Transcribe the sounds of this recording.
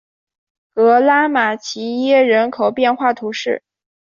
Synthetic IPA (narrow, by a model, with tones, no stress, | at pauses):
kɤ˧˥la˥ma˨˩t͡ɕʰi˧˥jɛ˥˩ɻə˧˥nkʰo˨˩ʊpjɛ˥˧nxwa˥˩t̪ʰu˧˥ʂɻ̩˥˩